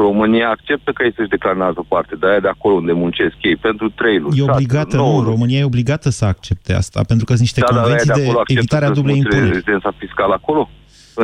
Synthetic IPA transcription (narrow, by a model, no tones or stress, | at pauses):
ro̞mɨnijaːk̚t͡ʃe̞p̚t̪əkəjejsəʃʲd̪e̞klaɾənalt̪əpart̪e̞d̪ajad̪eako̞lound̪e̞munt͡ʃe̞skjejpe̞nt̪ɾut̪ɾejluje̞o̞bliɡat̪ənuro̞mɨniaje̞o̞bliɡat̪əsəak̚t͡ʃe̞p̚t̪e̞a̰st̪a̰pe̞nt̪ɾukəniʃt̪e̞kaovenaj̪sied̪eoakːvit̪aɾead̪ubleimpuneezid̪ensafiskaləako̞lo̞ | ɨ